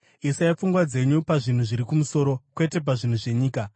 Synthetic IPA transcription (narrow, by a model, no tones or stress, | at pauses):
isajap͡fuŋɡwad͡ze̞ɲupaʐin̤uʐiɾikumuso̞ɾo̞kwe̞te̞p̬aʐin̤uʐe̞ɲiːka